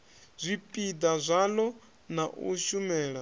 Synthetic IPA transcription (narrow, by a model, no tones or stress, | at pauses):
zʷipʼid̪azʷalɔ | naʔṵʃumɛːɺa